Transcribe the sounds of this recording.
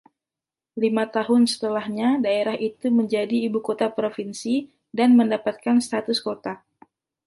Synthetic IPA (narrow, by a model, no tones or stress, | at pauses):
limat̪aɦʊnsə̥t̪əlahɲadaeɾaɦʔit̪uməɲd͡ʒadiːbukot̪apɾofinsi | danməndapat̪̚kanst̪at̪ʊskot̪a